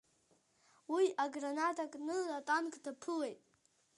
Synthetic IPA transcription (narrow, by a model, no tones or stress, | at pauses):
wiʔaɡranatʰʼakʼnɨatʼankʼdapʰɨwejtʼ